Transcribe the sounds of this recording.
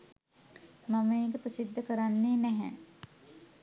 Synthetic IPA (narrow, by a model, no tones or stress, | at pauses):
maməeːkəpɾəsid̪ʱːəkəɾanːeːnɛɦɛ